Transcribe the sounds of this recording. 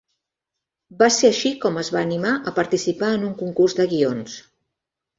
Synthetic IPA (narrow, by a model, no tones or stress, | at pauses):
baseəʃikɔməzβaːnimaʔəpəɾt̪isipaənuŋkuŋkurzðəɣions